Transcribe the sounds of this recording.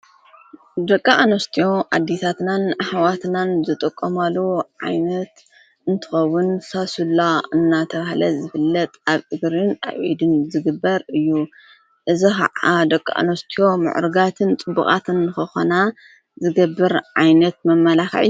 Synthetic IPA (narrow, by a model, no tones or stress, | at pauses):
d̪ɐkʼːaʔanost̪ʰijo̞ʔa̰d̪ːisʰat̪nanaħawat̪nanzɨt̪ʼɨkʼːomalːuʕa̰jnɐt̪ | ɨnt̪ʰɨ̥xɐwːʊnsasulːaɨnːat̪ʰɐβahlɐzɨfɨlːɐt̪ʼaβʔɨɡɾɨna̰βʔḭd̪ɨnzɨɡɨbːɐɾɨjːu | ʔɨzixa̰ad̪ɐkʼːa̰ʔa̰nost̪ʰijo̞mɨ̰ʕɾɨɡat̪ʰɨnt̪ʼɨbːṵkʼa̰t̪ʰɨnːɨxɨxo̰na | zɨɡɐbːɨɾʕajnɐt̪̚mɐmːɐlaxʕ̰u